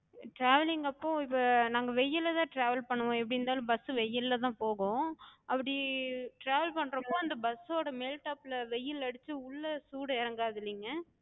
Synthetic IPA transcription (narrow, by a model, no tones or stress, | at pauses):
ʈɾaːʋɐlɪŋɡɐpːõɪpːɐnaːŋɡɐʋɛjːɪlɐt̪ãːʈɾaːʋɐlpɐɳːɐʋõɛpːɐɽɪnd̪aːlɐ̃bɐsɯʋɛjːɪlːɐt̪ãːpoːɣõːɐpːɐɽiʈɾaːʋɐlpɐɳːɾɐmoːɐnd̪ɐbɐsoːɽɐmeːlʈaːpɪlɐʋɛjːɪlɐɽɯt̪ːɯʊɭːɐsuːɽɪɾɐŋɡaːðɪlːiŋɡɐ